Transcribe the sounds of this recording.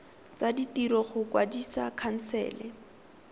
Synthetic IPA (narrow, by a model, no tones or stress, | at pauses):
t͡saditiɾɔχʊkwadisakʰan̩sɛ̰ːlɛ